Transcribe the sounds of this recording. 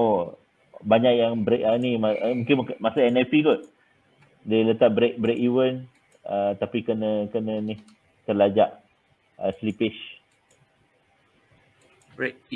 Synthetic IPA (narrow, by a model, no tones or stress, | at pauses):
o | baɲaʔjaŋbɾeʔənimamũŋkɪnmkmasaɛnɛfikʊʔ̪̚ | delət̪aʔ̚bɾek̚bɾekiwən | ət̪apikənəkənənih | t̪əlad͡ʒaʔ | əslipɪʃ | b̚